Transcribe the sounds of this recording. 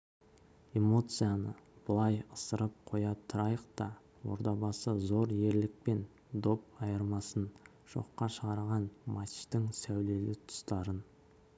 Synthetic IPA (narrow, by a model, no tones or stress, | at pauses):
e̞mo̞t̪sɨjanə̰b̥əlˠɑjəsəɾəp̚qʰo̞jɑt̪ʰʊɾɑjəq̚t̪ɑ | wo̞̰ɾd̪ɑbɑsəzo̞ɾje̞ɾlɪk̚pe̞n | d̪o̞p̚ɑjəɾmɑsən | ʒ̥o̞̰qːɑʃəʁɑɾʁɑnmɑt̪t̪ɪŋsæwle̞lɪt̪ʰʊ̥st̪ɑɾən